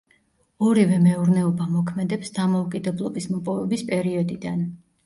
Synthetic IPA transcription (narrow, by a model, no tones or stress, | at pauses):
ɔɾivɛmɛuɾnɛɔbamɔkʰmɛd̪ɛpsd̪amɔukʼid̪ɛblˠɔbismɔpʼɔvɛbispʼɛɾiɔd̪id̪an